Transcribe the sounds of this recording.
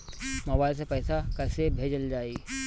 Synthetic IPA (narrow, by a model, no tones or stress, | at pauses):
mɐbaːɪls̬epɛːsakɛːsebʱeːd͡ʒəld͡ʒaːi